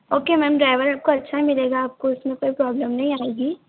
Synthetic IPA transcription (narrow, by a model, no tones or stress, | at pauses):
oːkemɛːmɖɾaːɪʋəɾaːp̚koɐtːʃʰaimɪleːɡaːp̚koʊsmẽkoːipɾɔːbləmnɐɦĩaːeːɡiː